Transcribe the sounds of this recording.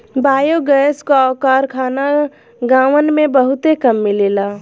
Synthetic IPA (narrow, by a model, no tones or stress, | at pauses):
baːjoɡəːskoaːkaːɾkʰaːna | ɡãːʋənmẽbəɦʊt̪ekəmːɪleːlaː